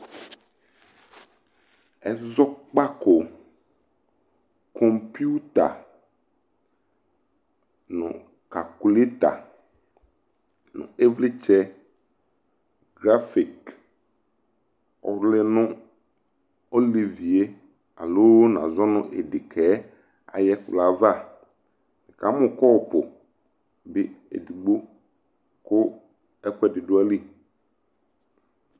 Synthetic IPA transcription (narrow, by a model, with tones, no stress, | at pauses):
ɛ˨zɔ˦k͡pa˦ko˨ | kʰɔ˨mpu˦t̪a̰˨ | nʊ̰̃˨ | ka˨ku˨le˦t̪a̰˨ | nʊ̰̃˨e˦vlɪ˦t͡ʃɛ˦ | ɡɾa˦fi˨k | ɔ̰˨ɾlɪ˦nʊ̃˦ | o˦li˨vi˨e˦ | a̰˨lo˦n˨ã̰˨zɔ˦nʊ̰̃˦ʔe˨dɪ˨kʰɛ˨˦ | a̰˨jɛ˦kʊ˨la˨va˦˨ | mɪ̃˨ka˨˦mʊ̃˨kɔ˦˨pʊ˨ | bɪ˦ḛ˨di˨ɡ͡bo˦ | kʊ˦ | ɛ˦kʷɛ˦˨dɪ˨dʊ˦a˦li˦